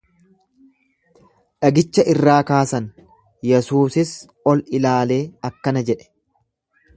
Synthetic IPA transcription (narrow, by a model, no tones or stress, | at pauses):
ᶑɐɡɪt͡ʃːɐʔɪrːaːkaːsɐn | jɛsuːsɪs | ɔlɪlaːle̞ːɐkːɐnɐd͡ʒɛᶑɛ̥